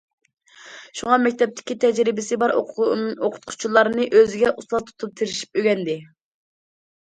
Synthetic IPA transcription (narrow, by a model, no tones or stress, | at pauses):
ʃuŋɑmɛk̚ʲt̪ʰɛp̚t̪ʰɪ̥kʲit̪ʰɛd͡ʒɾɪbɪsɪbɑɾoqʰʊ̥t̪̚qʰʊ̥t͡ʃʰulˠɑɾnɨʔøzɪɡʲɛʔuslˠɑt̪ʰt̪ʰup̚t̪ʰɪɾɪʃi̥p̚øɡʲɛnd̪ɪ